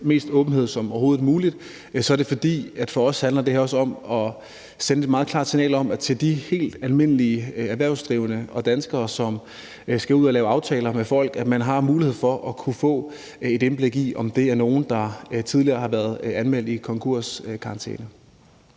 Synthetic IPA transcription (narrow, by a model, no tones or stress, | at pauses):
me̝̰ːsd̥ɔ̽ːb̥n̩ɦe̝ð̞̰ˠsɒ̽mɒɐho̝ːð̩ˠmuːlid̥ | sɒ̽æɐɾe̝fɒ̽d̥ḭːæd̥fɒ̽ɒ̽shænlɐd̥e̝hæɐɒ̽səɒ̽mɒ̽ | senəe̝d̥mɑ̈ːð̞̩ˠkʰlɑ̈ːd̥sinɛ̰ːlɒ̽mt͡sʰe̝ld̥ihe̝̰ːld̥ælme̝nəliəæʋæɐ̰ʊsd̥ʁiːʊənəɒ̽d̥ænsɡ̥ɐːsɒ̽m | sɡ̥æuð̞̰ˠælɛːʊɑ̈ʊt͡sʰɛːlɐmefɒ̽l̰ɡ̥æ̥mænɦɑ̈muːlihe̝ð̰ˠfɒ̽ʔɒkʰufɔ̰̽ː | e̝d̥enb̥le̝ɡ̥iʔɒ̽md̥e̝æɐno̝ːn̩d̥ɑ̈t͡sʰiðˠliɐːhɑ̈ʋæɐðˠænmel̰d̥ikʰɒ̽ŋkʰuɐ̰skʰɑ̈nt͡sʰḛːnə